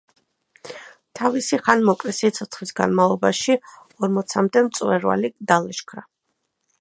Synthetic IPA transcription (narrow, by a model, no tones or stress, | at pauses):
t̪ʰavisiχanmɔkʼɾisit̪sʰɔt̪sʰχlisɡa̰nmalˠɔbaʃi | ɔɾmɔt̪sʰamd̪ɛmt̪sʼwɛɾva̰lid̪alɛʃkʰɾa